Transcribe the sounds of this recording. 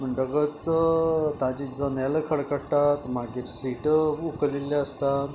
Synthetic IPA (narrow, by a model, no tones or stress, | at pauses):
məɳɖəɡət͡sət̪ad͡ʑid͡zɔnaləkʰəɽkəɽʈat̪maɡiːɾsiʈəukliljaəst̪at̪